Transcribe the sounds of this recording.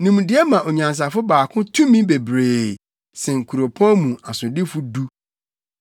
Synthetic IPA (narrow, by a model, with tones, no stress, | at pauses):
nĩ˨m̃˨dɪ˨˦ɛ˦mã˨ʔo˨ɲã˨ns̬a˨fʊ˦baː˨kʰʊ̃˦tʰũ˦mĩ˦be˨bɾeː˨ | sɛ̃˨ŋ̩˨kʰu˨ɾo˨pʰɔ̃˦mũ˨a˨sʊ̃˨dɪ˦fʊ˦du˦